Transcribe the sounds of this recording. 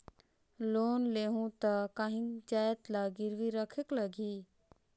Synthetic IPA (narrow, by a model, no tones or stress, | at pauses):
loːnleɦũt̪əkaɦĩŋd͡ʒajət̪laɡɪɾʋiɾəkʰekləɡi